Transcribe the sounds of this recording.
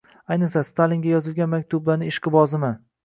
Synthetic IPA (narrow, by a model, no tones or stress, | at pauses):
ajnɨsast̪ʰaliŋɡʲajɒzɪlˠɡʲanmakʲt̪ʰʊblanɪɪʃqɨbɒzɪma